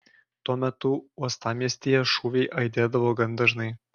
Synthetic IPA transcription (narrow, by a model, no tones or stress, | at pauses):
t̪uɔmʲɛt̪ʊuɔst̪ɑːmʲiɛsʲt̪ʲijɛʃuːʋʲɛɪʔɐɪd̪ʲeːd̪ɐʋoːɡɐnd̪ɐʒnɐɪ